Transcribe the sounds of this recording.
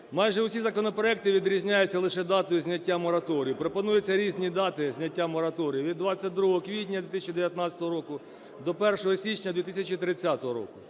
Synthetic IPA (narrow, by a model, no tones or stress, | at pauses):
mɑjʒɛwsʲizɐkɔnɔpɾɔɛk̚t̪ɪʋʲid̪ɾʲizʲnʲajʊt͡sʲːɐlˠɪʃɛd̪ɑt̪ɔjʊzʲnʲɐtʲːamɔɾɐt̪ɔɾʲijʊpɾopɔnujet͡sʲːɐɾʲizʲnʲid̪ɑt̪ɪzʲnʲɐtʲːamɔɾɐt̪ɔɾʲijiʋʲid̪ːʋɑt͡sʲːɐt̚ʲd̪ɾuɦɔɦɔkʋʲitʲnʲɐd̪ʋʲit̪ɪsʲɐt͡ʃʲid̪eʋjɐt̪nɑt͡sʲɐ̥t̪ɔɦɔɾɔkʊ | d̪ɔpɛrʃɔɦɔsʲit͡ʃnʲɐd̪ʲʋʲit̪ɪsʲɐt͡ʃit̪ɾɪt͡sʲːat̪ɔɦɔɾɔ̰kʊ